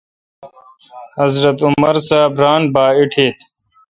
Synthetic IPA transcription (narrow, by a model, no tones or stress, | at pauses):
hɐzɾət̪uməɾsaːbɾaːnbaːiʈʰeːt̪ʰ